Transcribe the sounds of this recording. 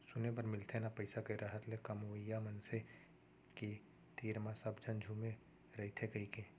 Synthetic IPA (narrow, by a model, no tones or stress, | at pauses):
sʊnep̬ɐɾmɪlt̪ʰenapɐɪsakɐiɾaɦət̪lekɐmuʋəjamɐnse | ki | t̪iːɾmãsɐbd͡ʒʱɐnd͡ʒʱuːme | ɾɐɦt̪ʰekɐike